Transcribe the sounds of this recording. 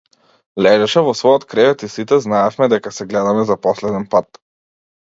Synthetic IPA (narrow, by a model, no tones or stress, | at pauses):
lɛʒɛʃɛvɔsvɔjɔt̪kɾɛvɛt̪isit̪ɛznaɛfmɛd̪ɛkasɛɡlɛd̪amɛzapɔslɛd̪ɛnpat̪